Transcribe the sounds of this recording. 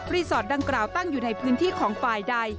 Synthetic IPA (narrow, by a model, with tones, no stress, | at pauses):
ɾiː˧˥sɔː˨˩t̪̚da˧ŋklaː˨˩wt̪a˥˩ŋjuː˨˩na˧jpʰɯː˦˥nt̪ʰiː˥˩kʰɔː˩˦ŋfaː˨˩jda˧j